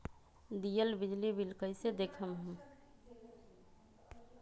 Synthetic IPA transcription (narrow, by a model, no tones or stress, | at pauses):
d̪ijəlbid͡ʒlibilkəɪsed̪ekʰəmɦũ